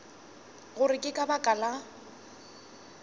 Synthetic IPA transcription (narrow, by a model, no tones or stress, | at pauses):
ɣʊrɪkʼɪkʼabakʼala